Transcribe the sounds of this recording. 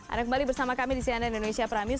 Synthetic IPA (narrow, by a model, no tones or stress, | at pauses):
ʔa̰ndakəmbalibərsamakamidisianaindonesiapɾami